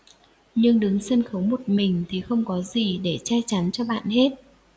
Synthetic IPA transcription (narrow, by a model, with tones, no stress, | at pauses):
ɲɨ˧ŋɗɨ˨˦ŋsə˧nxə˨˦wmo˨˩t̚mï˨˩ŋ̟t̪ʰi˨˩xə˧wŋ͡mkɔ˨˦zi˨˩ɗe˧˩t͡ɕa˧t͡ɕa˨˦nt͡ɕɔ˧ɓa̰ː˧˨nhe˦˥t̚